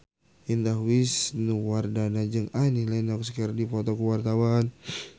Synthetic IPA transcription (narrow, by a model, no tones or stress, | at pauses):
ind̪aɦwisnuwardanad͡ʒɨŋanilɛnɔkskərdipɔt̪ɔkuwart̪awan